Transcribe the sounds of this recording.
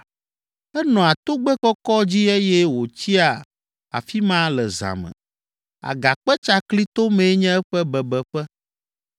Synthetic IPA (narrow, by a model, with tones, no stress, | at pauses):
ɛ˦nɔ̃˨a˨t̪o˦ɡ͡bɛ˦kɔ˦kɔ˦d͡ʑi˦ɛ˦jɛ˦wo˨t͡ɕi˦a˨ | a̰˨fi˦mã˦lɛ˨za̰˨mɛ̰̃˨ | a̰˨ɡa˨k͡pɛ˦t͡ʃa˦kli˦t̪o˦mẽ˨˦ɲɛ̃˦ɛ˦ɸɛ˦bɛ˨bɛ˨ɸɛ˦